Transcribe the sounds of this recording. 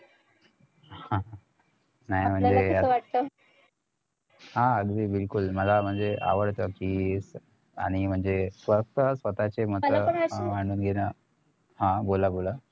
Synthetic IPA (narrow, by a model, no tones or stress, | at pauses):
hã | najm̤əɳd͡zeəʋaʈ̚t̪o | ɦãəɡd̪iːbilkulməlam̤əɳd͡zeʔa̰ʋəɽt̪akis | a̰ɽ̃im̤əɳd͡zesʋət̪əsʋət̪at͡ɕem̤ətləəamaɳ̃uːnɡʱena | hãbolabola